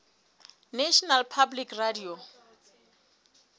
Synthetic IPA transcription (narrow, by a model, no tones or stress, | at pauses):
neʃɔnalpʰablikradio